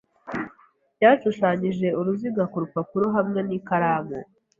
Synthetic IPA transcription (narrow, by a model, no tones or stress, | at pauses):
ɟaːʃuʃaɲiʒe̞uɾuziɡakuɾupapuɾoɦamŋe̞niːkaɾaːmŋe